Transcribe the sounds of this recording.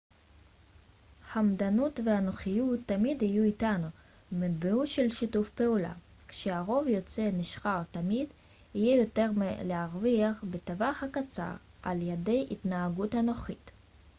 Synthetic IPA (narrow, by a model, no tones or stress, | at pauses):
hamd̪anutvehanoχijut̪ːamidhijuitanu | vmad̪̚beuʃelʃitufpe̞ula̰ | kʃeaʁo̞vjo̞t͡se̞niʃχaʁt̪amid̪ | hijejo̞t̪e̞ʁmeleaʁviaχbet̪avaχhakat͡sa̰ʁ | ʔa̰ljede̞jʔḭt̪naaɡutano̞χit